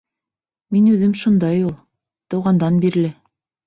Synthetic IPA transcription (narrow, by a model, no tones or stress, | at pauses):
minʉðɘmʃund̪ɑjulˠ | t̪ɤ̆wʁɑnd̪ɑnbiɾ̆lɘ